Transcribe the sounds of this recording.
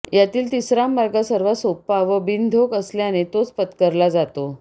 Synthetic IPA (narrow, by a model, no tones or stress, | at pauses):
jat̪iːlt̪isɾamːaɾɡasəɾʋasopaʋəbind̪ʱokəsljanet̪ot͡spət̪kəɾlad͡zat̪o